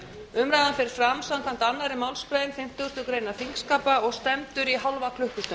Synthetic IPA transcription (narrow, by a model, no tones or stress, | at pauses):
ʏmɾajðanfɪɾɪɾ̥fɾamsamkʰan̥t̪anːaɾɪmawlspɾajɪnfɪm̥t̪ʏst̪ʏkɾeːjnafiŋkskaːpaɔɣst̪ɛmt̪ʏɾiɦawlvakʰlʏhkʏst̪ʏm